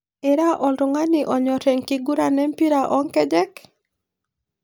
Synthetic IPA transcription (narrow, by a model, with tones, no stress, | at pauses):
ɪ˨ɾa˦ʔɔ˨lɾʊ˨ŋa˦nɪʔɔ˨ɲɔ˨tɛ˨ŋki˨ɡu˦ɾa˨nɛ˦mpi˦ɾa˨ʔɔ˦ŋkɛ˦d͡ʒɛ˦k